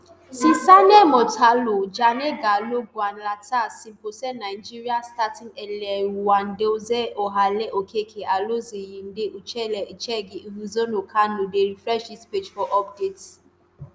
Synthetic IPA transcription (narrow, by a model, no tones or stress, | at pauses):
sisanɛmɔtʰalod͡ʒaneɡaloɡuanlatasĩm̩posɛnaɪd͡ʒiɾiastatĩnɛlɛwan̩deozɛʔoɦalɛʔokʰekʰeʔalozejin̩deʔut͡ʃɛlɛt͡ʃɛɡiiɦuzonokʰanodeɾifɾɛʃisped͡ʒfɔʔɔp̚det